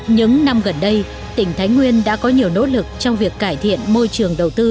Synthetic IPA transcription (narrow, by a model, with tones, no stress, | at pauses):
ɲɨ̰˧˥ŋna˧mɣə˨˩nɗə˧j | t̪ï˧˩ŋ̟t̪ʰaː˨˦jŋwi˧ənɗa̰ː˧˥kɔ˨˦ɲi˨˩əwno̰˧˥lɨ˨˩k̚t͡ɕɔ˧wŋ͡mvi˨˩əkːaː˧˩jt̪ʰḭ˧˨ənmo˧jt͡ɕɨ˨˩əŋɗə˨˩wt̪ɨ˧